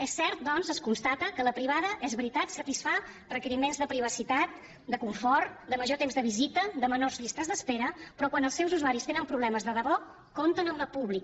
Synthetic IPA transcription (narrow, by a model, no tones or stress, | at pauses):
ɛsːɛɾt̪̚d̪ɔnzəskunst̪at̪əkələpɾiβ̞aðəʔɛzβɾit̪at̪sət̪isfa | rəkəɾimenzðəpɾiβ̞əsit̪at̪̚ | d̪əkuɱfɔrd̪əməʒot̪emzðəβizit̪əd̪əmənorzʎist̪əzðəspeɾəpɾɔkwanəlˠsɛwzuzuaɾist̪enəmpɾuβlɛməzðəðəβɔ | kont̪ənəmləpuβlik̚